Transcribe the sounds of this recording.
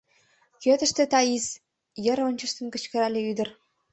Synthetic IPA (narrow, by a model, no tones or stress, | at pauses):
køt̪ə̆ʃt̪ĕt̪ɑiz | jə̆ɾonʲt͡ɕə̆ʃt̪ə̆mkə̆t͡ɕkə̆ɾælʲĕyd̪ə̆r